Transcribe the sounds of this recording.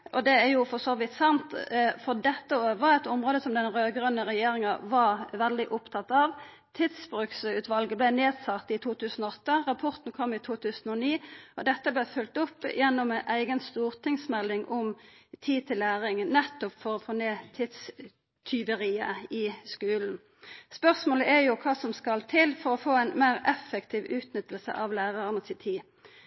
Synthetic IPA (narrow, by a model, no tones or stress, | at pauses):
ʔɔd̪ɛæɾjʊfɔsɔʋɪt̪sɑnt̪fɔʁd̪ɛt̪ːəoːʋəɛt̪ʊmɾoːd̪əsɔmd̪ɛnɾøːɡɾœnːəʁɛjeːɾɪŋɑʋɑɾʋɛld̪ɪʔʊpt̪ʰɑt̪ːɑʋ | t̪ʰɪd̪sbɾʉksʉːt̪ʋɑlɡəblɛneːd̪sɑt̪ːɪt̪ʰuːt̪ʰʉːsən̩ɔːɔt̪ːəʁɑpʰʊʁt̪n̩kʰɔmːɪt̪ʰuːt̪ʰʉːsnɔniːɔd̪ɛt̪ːəblɛfʉlt̪ʊpːjɛnːɔmɛʔæɪɡənst̪uːʁt̪ʰɪŋsmɛlːɪŋʔɔmt̪ʰiːt̪ʰɪlːæːʁɪŋnɛt̪ːʊpfɔʁɔfoːneːt̪ʰɪd̪s | t̪ʰʏʋəʁiːəɪskʉːln̩ | spœʁsmoːləʔɛjʊkʰɑːsɔmskɑlt̪ʰɪlfɔʁɔfoːæɪnmæɪʁɛfːəkt̪ʰiːʋʉːt̪nʏt̪əlsə̰ʔɑʋlæːʁɑʁənət̪ʰɪt̪ʰiː